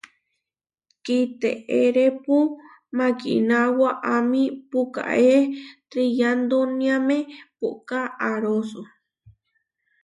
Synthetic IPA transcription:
kit̪ḛeɾepu | mãkḭnawaʔamĩpuka̰ʔet̪ɾijand̪oniamẽpuʔkaːɾosu

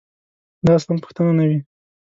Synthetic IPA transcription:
d̪ɑst̪anpə̥xt̪ananawi

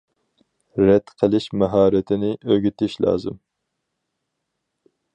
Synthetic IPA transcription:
ɾɛt̪qʰəlˠɪʃmɛɦɑːɾɪt̪ʰɪnɪʔøɡʲyt̪ʰɪʃlˠɑ̰ːzɨ̰m

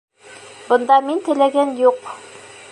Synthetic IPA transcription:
bɤ̆nd̪ɑmint̪ɘ̆læɡænjuq

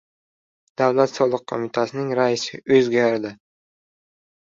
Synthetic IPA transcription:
d̪̥awlat̪sɒlˠɨq̚qʰːomɪt̪ʰasɪnɪŋɾaɪsɪʔɵzɡʲaɾd̪ɪ

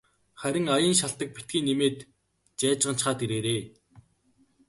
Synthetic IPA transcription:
χæɾʲɪ̆ŋajə̆nʃaɬt̪ə̆k̚pit̪ɡiːnːemeːt̪ | t͡ɕæːt͡ɕʁə̆nt͡ɕχaːt̪eɾeːɾeː

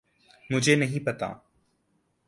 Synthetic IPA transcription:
mʊ̃ːd͡ʑʱeːnəɦĩːpɐt̪a̰ː

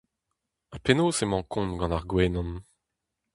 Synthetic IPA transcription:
apenoːsemɑ̃kʰɔ̃nɡɑ̃naʁɡwɛːnɑ̃n

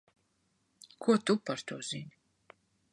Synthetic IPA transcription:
kʰuɔt̪upaɾt̪ʰuɔz̥iɲʲ

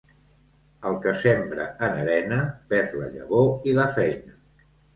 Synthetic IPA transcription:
əlˠkəsembɾə̰ənəɾɛnəpɛɾlə̰ʎə̰βoiləfɛjnə

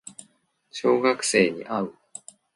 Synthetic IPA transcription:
ɕo̞ːɡakɯ̟̥se̞ːɲ̟ḭʔaɯ̟

